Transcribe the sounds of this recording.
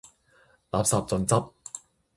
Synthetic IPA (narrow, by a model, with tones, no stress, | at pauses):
laː˨p̚sɐː˨p̚t͡sɵ˨nt͡sɐ˥p̚